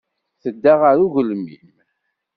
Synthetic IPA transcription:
θəd̪ːaʁaɾuʝəlmḭm

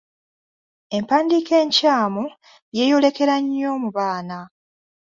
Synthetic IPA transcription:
e̞mpaːndiːke̞ːɲcaːmu | je̞ːjo̞le̞ke̞ɾaɲːo̞ːmuβaːna

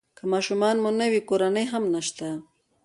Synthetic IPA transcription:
kamɑːʃumɑnmunəwikoɾanəjɦamnaʃt̪a

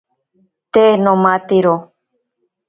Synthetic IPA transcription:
t̪enõmãt̪iɾo

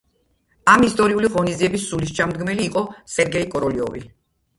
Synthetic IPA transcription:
amist̪ʼɔɾiuliʁɔnid̪ziɛbisːuliʃt͡ʃʰamd̪ɡmɛliːqʼɔsɛɾɡɛikʼɔɾɔliɔ̰vḭ

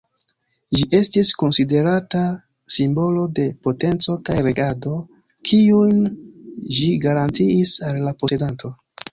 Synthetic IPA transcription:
ʒiʔe̞stisko̞nside̞ɾata | simbo̞lo̞de̞po̞te̞nt͡so̞kajɾe̞ɡado̞ | kʰiujn | ʒiɡaɾantiːsalːapo̞se̞danto̞

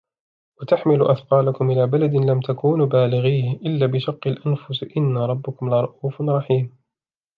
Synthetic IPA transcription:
wat̪aħmɪlʊʔaθqɑːlakʊmʔɪlaːbalad̪ɪnlamt̪ʰakuːnːbaːlɪɣiːhʔɪlːaːbɪʃɑqːɪlʔanfʊsʔɪnːaɾˤɑbːʊkʊmlɑɾˤɑʔuːfɾˤɑħiːm

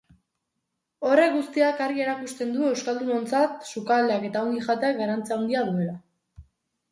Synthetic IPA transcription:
o̞re̞kɡust̪iakaɾɣie̞ɾakust̪e̞nd̪ue̞wskald̪uno̞nt͡sat̪sukald̪eake̞t̪ao̞ŋɡiʝat̪e̞akɡaɾant͡siawnd̪iaðue̞la

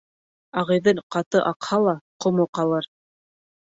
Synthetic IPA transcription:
ɑʁɤjðɤɴqɑt̪ɤʔɑqhɑlˠɑqŏmoqɑlˠɤɾ

